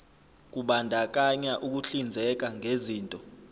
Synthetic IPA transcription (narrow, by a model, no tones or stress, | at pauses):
k̬uɓandʱak̬ʼaɲaʔuk̬uɬind͡zʱɛk̬aŋʱeziːntʼɔ